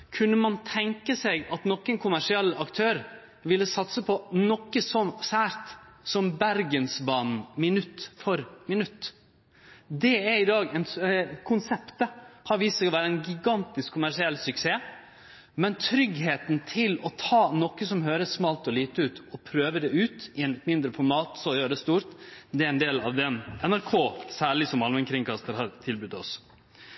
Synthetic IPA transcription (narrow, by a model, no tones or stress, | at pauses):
kʰʉnːəmɑnt̪ʰɛŋkəsɛɡɑt̪nɔkːənkʰʊmæʂɪɛlːɑkt̪ʰøːɾ | ʋɪlːəsɑt̪səpʰɔnɔkːəsɔmsæːɾt̪ | sɔmbæɾɡənsbɑːnmɪnʉt̪ːfɔɾmɪnʉt̪ː | d̪ɛæɾɪd̪ɑːɡɛnkʰʊnsɛpt̪hɑɾʋiːsɡɔʋæːɾəɛnɡɪɡɑnt̪ɪskʰːʊmæɾʂɪɛlːsʏkseː | mɛnt̪ʰɾʏɡheːt̪nt̪ʰɪlɔt̪ʰɑːnɔkːəsɔmɦøːɾəssmɑːlt̪ɔliːt̪əʉːt̪ɔpʰɾøːʋəd̪ɛʉːt̪ɪɛnət̪mɪnd̪ɾəfɔɾmɑːt̪sɔɔjøːɾəd̪ɛst̪uːɾt̪d̪ɛæɾɛnd̪eːlɑ̰ʋd̪ɛnɛnæɾkʰoːsæːɭɪsɔmɑlmɛnkʰɾɪŋkʰɑst̪əɾhɑɾt̪ʰɪlbʉd̪ɔs